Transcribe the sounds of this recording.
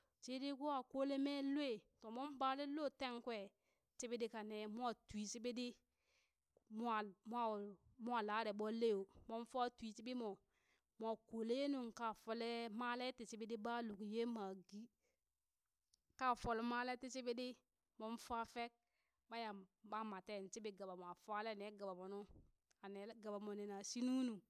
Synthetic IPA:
t͡ʃe˦di˦ɡu˦a˦˨ko˦le˦me˦lwe˦˨to˨mo˦m˦ba˦le˦lo˦˨te˦ŋkwe˦˨ | t͡ʃi˦bi˦di˦ka˨ne˨mu˦a˦twi˨si˦bi˦di˦ | m˦a˨m˦a˦˨mu˦a˨laː˨˦ɾe˨ɓo˦le˦jo˨mo˦n˦fa˦twi˨t͡ʃi˦bi˦mo˨ | mo˨ko˨le˦je˦nu˨ŋka˨fo˦le˦ma˦le˦ti˨si˦be˦di˦ba˦lu˨kje˦ma˨ɡi˦ | ka˦˨fo˦le˦ma˦le˦ti˦si˦be˦di˦ | mo˦m˦fa˦fe˦k̚ | ba˦ja˨ba˦ma˨te˦˨n˨t͡ʃi˦bi˦ɡa˨ba˨m˨a˨fa˦le˦a˨ne˨˦ɡa˨ba˨mo˨nu˦ | a˨ne˨˦ɡa˨ba˨mo˨ne˨na˨si˦nu˦nu˨

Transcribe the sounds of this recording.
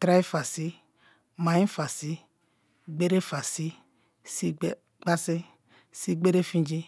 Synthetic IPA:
tɾa˦i˦fa˨si˦ | ma˨jĩ˦fa˨si˦ | ɡ͡be˦ɾe˦fa˨si˦ | si˦ | ɡ͡ba˦si˦ | si˦ɡ͡be˦ɾe˦fĩ˦d͡ʒi˦

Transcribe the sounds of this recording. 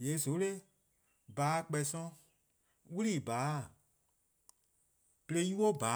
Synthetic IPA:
je˨˦so˨˦le˦ | baː˨˦˨k͡pɛ˨sɔ̃˧˦ | wu˦liː˦˨baː˨˦˨ | b̥le˦ji˦wo˦ba˨˦

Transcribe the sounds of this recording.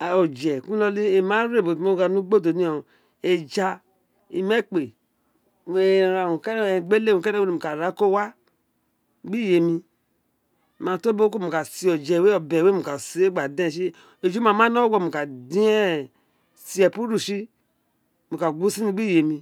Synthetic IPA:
a˨o˨d͡ʒɛ˨ku˦lo˧li˦e˨ma˦ɾe˦˨bo˨to˦˨ɡa˨nu˦ɡ͡bo˦˨do˨ni˦o˨ | e˨d͡ʒa˧ | i˨me˦k͡pe˨ | me˨ɾa˨u˨kɡ͡be˦le˦˨ũ˨ke˦ɾe˦we˦i˨mu˨ka˨ɾa˨˦ko˦wa˦ | ɡ͡bi˦je˨mi˧˨ | ma˨to˦bo˦ko˦˨mu˨ka˨si˨˦o˨d͡ʒɛ˨we˦o˨be˨we˦mu˨ka˨si˨˦e˦ɡ͡ba˨dẽ˦˨ʃi˦ | e˨d͡ʒu˦ma˨ma˦no˦ɡo˦˨mu˨ka˨di˦ɛ˦ | si˦ɛ˨pu˦ɾu˦˨ʃi˦ | mu˨ka˨ɡʷu˦si˦nĩ˦ɡ͡bi˦je˨mi˧

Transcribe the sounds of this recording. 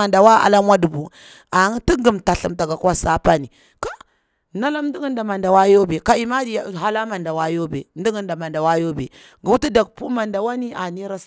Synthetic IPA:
a˨nda˨wa˦a̰˨la˦mʷ˦a˦du˨bu˨ | a˨ŋ˦ti˦ɡi˨mta˨ɬi˨mta˨ɡa˨kwa˦sa˦pa˦ni˨ | ka˦ | na˦la˦mn˦di˦ɡi˦nda˨ma˨nda˨wa˦jo˦be˨ka˦i˨ma˦di˨ja˨ɦa˦la˦ma˨nda˨wa˦jo˦bḛ˨n˦di˦ɡi˦nda˨ma˨nda˨wa˦jo˦bḛ˨ | ɡu˨wu˦ti˦da˨k̚pu˦ma˨nda˨wa˦ni˦a˨ni˦ɾa˦s

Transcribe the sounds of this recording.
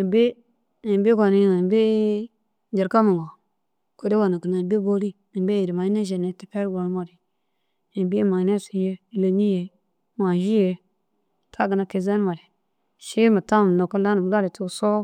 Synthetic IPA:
i˨be˦ | i˨mbe˦ɡo˨ni˦ŋ˨be˦ | d͡ʒi˨ɾka˦mi˨ŋɡo˨ | ko˦de˦wo˨na˨ki˨na˨be˦bo˦li˦ | i˨be˦ji˨ɾi˨ma˨i˦na˦ʒe˨ne˨ti˦pe˦ɾɡo˨n˦ma˨ɾi˨ | i˨bi˦ma˨ne˦si˨˦je˦˨le˨ni˦je˨˦ | ma˨ʒi˦je˨ | tʰa˦ɡə˨na˨ke˨ze˦n˦ma˨ɾi˨ | ʃi˦mi˨ta˦m˨no˨ko˦la˦nu˨m˨˦la˦ɾi˨tu˦˨so˦

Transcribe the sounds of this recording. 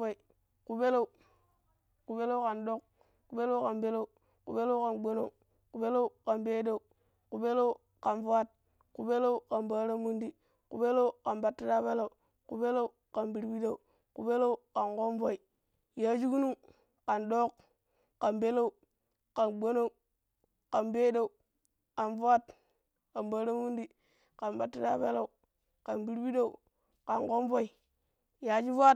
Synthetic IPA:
o˦i˨ | ku˨be˦lo˦u˨ | ku˨be˦lo˦u˦ka˨ndo˦k̚ | ku˨be˦lo˦u˦ka˨nbe˦lo˦u˨ | kṵ˨be˦lo˦ka˨nɡ͡bo˦no˦u˨ | ku˨be˦lo˦u˦ka˨nbe˦da˦u˨ | ku˨be˦lo˦u˦ | ka˨nfu˦a˦t̚ | ku˨be˦lo˦u˦ka˨mba˦ɾa˦mu˦ndi˦ | ku˨be˦lo˦u˦ka˨nba˨tːi˦da˦ba˦la˨u˨ | ku˨be˦lo˦u˦ | ka˨mbi˨ɾbi˦da˦˨u˨ | ku˨be˦lo˦u˦ka˨nko˦nvo˦i˨ | ja˦d͡ʒi˦ku˦nu˦m | ka˨ndo˦kː | a˨nbe˦la˦u˨ | ka˨nɡ͡bo˦no˦u˨ | ka˨nbe˦da˦u˨ | ka˨nva˦t | ka˨nba˦ɾa˦mu˦ndi˦ | ka˨nba˨tːi˦ɾa˦be˦la˦u˨ | ka˨nbi˦ɾbi˦da˦u˨ | ka˨nko˦nvo˦i˨ | ja˨˦d͡ʒi˦va˦˨t

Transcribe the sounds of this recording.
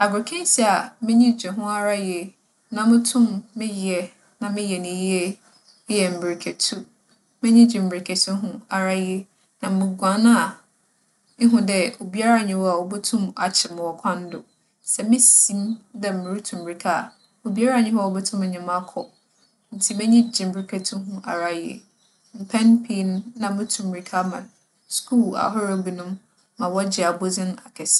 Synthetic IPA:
a˨bʊ˨ɾkʰɛ̃˦n˦si˦a˨mɪ̃˦ɲĩ˦˨d͡ʑᶣɛ˨ɦʊ̃˦a˦ɾa˦je˨ | nã˨mɪ̃˦tʰʊ̃˦mːɪ̃˦jɛ˨ | nã˨mɪ̃˦jɛ˨nɪ̃˨˦ji˦e˦ | ɪ˦jɛ˨m̩˨bi˨ɾi˨kʰe˨tʰu˦ | mɪ̃˦ɲĩ˦d͡ʑᶣi˨m̩˨bɾi˨kʰɛ˨sɛ˦ɦʊ̃˦a˨ɾa˦je˦ | nã˨mɪ̃˨ɡʷã˨nã˦˨ | ɪ˦ɦʊ̃˨dɛ˦o˨bi˦a˦ɾa˦˨ɲɪ̃˨˦wɔ˦a˨wo˨bɛ˦tʰũ˦ma˨t͡ɕʰɪ˨mʊ̃˨wɔ˨kʷʰã˦n̩˦dʊ˨ | sɛ˨mɪ̃˦sĩ˦ndɛ˦m̩˨mɪ̃˨ɾu˦tʰũ˨mbɾi˨kʰa˦˨ | o˨bi˦a˦ɾa˦˨ɲɪ̃˦hɔ˦˨wɔ˦bɛ˦tʰũ˦mɛ˨ɲã˨mã˦kʰɔ˨ | n̩˨tʰi˦˨mɛ̃˦ɲĩ˦d͡ʑĩ˨mbɾi˦kʰɛ˦tʰʊ̃˦ɦʊ̃˦ʔa̰˨ɾa˨jḛ˦˨ | m̩˨pʰɛ̃˦npʰi˦ñː˦ã˨mʊ̃˦tʰũ˨mbɾi˨kʰa˦mã˨ | skʰuː˦la̰˨ɦɔ˦ɾa˨ɡu˨nʊ̃˦mː | ã˨wɔ˦d͡ʑɪ˨a˨bo˦d͡zɪ̃˦na˨kʰɛ˨s

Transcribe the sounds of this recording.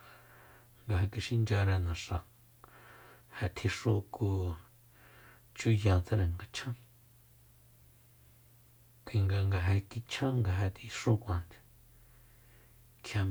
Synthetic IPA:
ŋɡa˧ɦe˧ki˧ʃi˦nd͡ʒa˧ɾɛ˧nã˨ʂã˨ | he˧t̪ʰi˧ʂu˦ku˧ | t͡ʃu˦jã˧nt͡se˦˧ɾe˨ŋɡa˧t͡ʃʰã˦ | ki˧˨ŋɡa˧ŋɡa˧ɦe˧ki˧t͡ʃʰã˦ŋɡa˧ɦe˧˨t̪i˧ʂu˦kʷã˧nt̪e̥˨ | kʰja˧m

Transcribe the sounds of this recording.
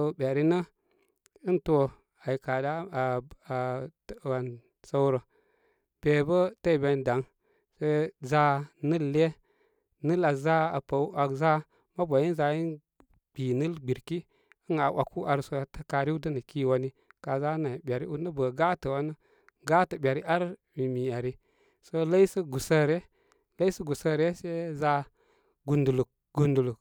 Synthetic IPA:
bʲa˨ɾi˦nə˦ | ɨ˦nto˦ | a˨i˨ka˨da˦˨ | wa˨n | sə˦wɾə˨ | b̥e˨bə˦tə˦i˨be˧nda˨˦ŋ | sə˦za˧nə˦lːe˦ | nə˦la˨za˦a˨pə˨˦a˨za˦ | ma˦bʷa˨ji˦n˦za˧i˦n | b̥i˨nə˦lɡ͡bi˨ɾki˦ | ə˦ŋa˨wʷʔa˨kʰu˦ʔa˨ɾso˦˨tə˨ka˨ɾi˦u˦də˦nə˨ki˦wa˦ni˦ka˨za˦na˨ɓʲa˨ɾi˦u˦nə˦bə˨ɡa˦tə˨wa˦nə˦ | ɡa˦tə˨ɓʲa˨ɾi˦ʔa˦ɾmi˨mi˨a˨ɾi˦ | so˦la˦i˦sə˦ɡu˨sə˦ɾe˦ | la˦i˦sə˦ɡu˨sə˦ɾe˦se˦za˦ | ɡu˨ndu˨lu˨k̚ | ɡ̥u˨ndu˨lu˨k

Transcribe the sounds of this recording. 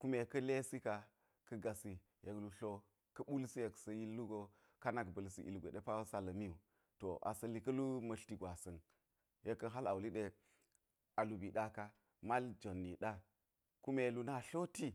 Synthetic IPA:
ku˦me˨kɐ˦le˦si˦ka˨ | kɐ˦ɡa˨si˨ | je˨klu˨ɬo˦ | kɐ˦ɓu˦lsi˦je˨ksɐ˨ji˦lːu˦ɡo˨ | ka˦na˨kbɐ˨lsḭ˨ʔḭ˨lɡʷḛ˨ɗe˦pa˦wsa˦lɐ˨mi˦u˨ | to˨ʔa̰˨sɐ˨li˨kɐ˦lu˦mɐ˨ɬti˨ɡʷa˨sɐ˨n | je˦kːɐ˦ɦa˦la˨wli˦ɗe˦ | a˨lu˨bi˨ɗa˦ka˦ | ma˦ld͡ʒo˨nːi˨ɗa˦ | ku˦me˨lu˨na˦˨ɬo˦ti˦

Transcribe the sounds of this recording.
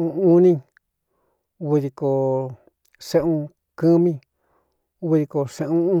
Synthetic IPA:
ũ˧ũ˦nĩ˦ | u˧βi˧ði˧ko˨ | sẽ˦ʔũ˧ | kɨ˦mĩ˦ | βi˧ði˧ko˨sẽ˧ʔũ˦ũ˦

